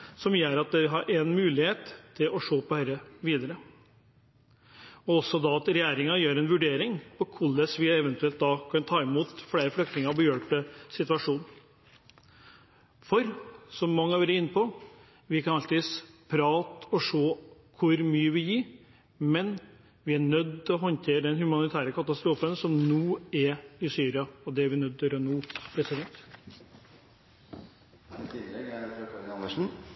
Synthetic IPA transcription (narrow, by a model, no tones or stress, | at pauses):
sɔmjøːɾɑt̪̚d̪ɛʋɪɦɑɾʔɛnmʉːlɪheːt̪ʰːɪlɔʂoːpɔhœɾəʋiːd̪əɾə | ɔɔsːɔd̪ɑɑt̪ɾɛjæːɾɪŋɑjøːɾɛnʋʉɖeːɾɪŋpɔkʰʊlːəsʋɪɛʋɛnt̪ʉɛlt̪̚d̪ɑkʰɑnt̪ʰɑːɪmuːt̪fleːɾəflœkt̪ɪŋɑbəjøːɭpəsɪt̪ʋɑʂuːn | fɔɾsɔmːɑŋːəɑʋɛɾəɪnːəpʰɔ | ʋɪkɑnɑlt̪ʰɪːspʰɾɑːt̪ɔʂoːkʰʊɾmyːəʋɪjiː | mɛn | ʋɪæɳœd̪ːt̪ɪlɔɦɔnt̪ʰeːɾəd̪ɛnhʉmɑnɪt̪ʰæːɾəkʰɑt̪ɑst̪ɾuːfənsɔmnuːɛɾɪsyːɾɪɑɔd̪ɛæɾʋɪnœd̪̚t̪ɪøːɾənuːpʰɾɛsɪd̪ɛnt̪ | t̪ʰɪɛɡ̪ɑnəʂn̩